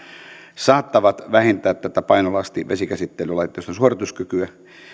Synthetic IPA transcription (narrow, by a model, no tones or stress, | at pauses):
sɑːt̪ːɑʋɑt̪ʋæhent̪æːt̪t̪æt̪æpɑinolɑst̪iʋʔḛsikæsit̪ːelylɑit̪ːˑojst̪onsuorit̪uskykyæ